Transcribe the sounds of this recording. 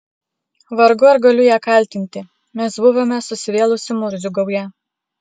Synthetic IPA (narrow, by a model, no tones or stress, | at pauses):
ʋɐɾɡʊɐɾɡɐlʲʊjæːkɐˑlʲt̪ʲɪnʲt̪ʲɪ | mʲɛsbʊʋoːmʲɛsʊsʲɪʋʲeːlˠʊsʲɪmʊɾʲzʲʊɡɐʊjɛ